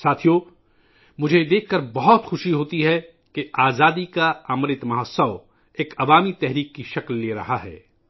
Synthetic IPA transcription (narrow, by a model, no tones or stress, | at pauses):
saːt̪ʰijoː | mʊd͡ʒʱed̪eːkʰːɐɾbɐɦɔt̪xʊʃiɦoːt̪iɦɛ | keaːzaːd̪ikaɐmɾɪt̪mɐɦəsəʋ | eːkɐʋaːmit̪ɛɦɾiːkːiʃɐklːeːɾɐ̰ɦaɦɛ̰ː